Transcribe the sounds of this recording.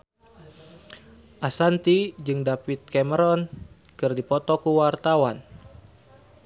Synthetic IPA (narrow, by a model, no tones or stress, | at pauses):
ʔasant̪id͡ʒɨŋdapit̪̚kɛməɾɔn | kɨrdipɔt̪ɔkuwart̪awan